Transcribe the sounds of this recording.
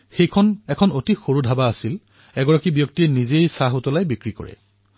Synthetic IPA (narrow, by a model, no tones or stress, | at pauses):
xejkʰɔnɛkʰɔnotixoɹudʱabaːsil | ɛɡɔɹakibjɔk̚tiɛnizejsaɦutɔlajbikɹikɔ̰ɹɛ̰